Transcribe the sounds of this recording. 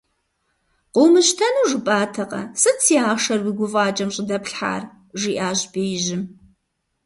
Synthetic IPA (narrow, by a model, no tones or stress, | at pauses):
qʷʊwmɨɕtʰɐnuːʒɨpʼaːtʰɐqɐ̰sɨt͡sʰiːaːʂɐrwiɡʷʊfʼɑːt͡ʃʼɐmɕʼɪdɐpɬħa̰ːr | ʒiːʔaːʑbeːjɪʑɪm